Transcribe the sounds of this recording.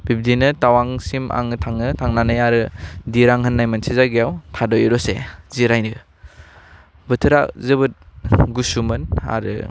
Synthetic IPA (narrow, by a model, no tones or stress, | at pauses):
bib̚dinɯtawaŋsimʔa̰ŋɯtʰaŋɯtʰaŋnanajaɾɯdiɾaŋɦɯnːajmansizaɡijawtʰadɔjɯɾɔsḛziɾajnɯ | bɯtʰɯɾazɯbɯt̚ɡusumɯna̰ɾɯ̰